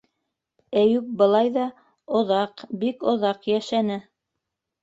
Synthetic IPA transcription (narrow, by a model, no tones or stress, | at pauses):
æjʉk̚bɤ̆lˠɑjðɑ | ŏðɑqbikŏðɑqjæʃænɘ